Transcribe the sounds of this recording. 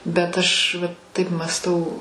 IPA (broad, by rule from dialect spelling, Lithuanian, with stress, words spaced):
bʲɛt ˈɐʃ ʋɐ ˈtɐɪp mɑːsˈtɐʊ